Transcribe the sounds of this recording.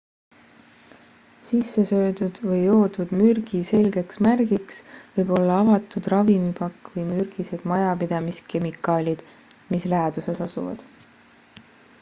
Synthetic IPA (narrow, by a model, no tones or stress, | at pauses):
sisːesø̞ːd̪ud̪̥vɤjo̞ːd̪̥ud̪̥myrɡ̥ise̞lɡ̥e̞ksmærɡ̥iksvɤjbo̞lːɑɑvɑt̪ud̪̥rɑvimipɑkːvɤjmyɾɡ̥ise̞d̪̥mɑjɑpid̪ɑmiske̞mikːˑɑːlʲid̪̥ | mislæːd̪̥use̞sɑsṵvɑ̰d̪̥